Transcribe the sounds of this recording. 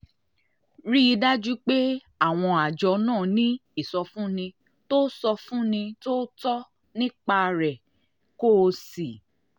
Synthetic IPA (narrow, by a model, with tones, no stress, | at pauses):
ɾi˦i˧da˦d͡ʒu˦k͡pe˦ | a˦˨w̃ɔ̃˧a˨d͡ʒɔ˨˧nãː˦˨nĩ˦i˦˨sɔ˧fũ˦nĩ˧ | to˦sɔ˧fũ˦nĩ˧to˦tɔ˦ | nĩ˦k͡pa˧ɾɛ˨ | ko˦˧si˨